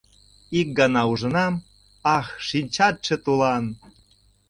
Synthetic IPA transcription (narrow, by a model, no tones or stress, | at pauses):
ik̚ɡɑnɑuʒə̆nɑm | ɑxʃinʲt͡ɕɑt̪ʃĕt̪ulɑn